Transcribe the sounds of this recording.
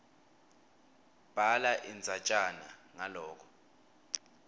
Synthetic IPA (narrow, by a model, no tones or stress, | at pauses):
b̥ʱalaʔind͡zʱat͡ʃʼanaŋalɔːk̬ʰɔ̥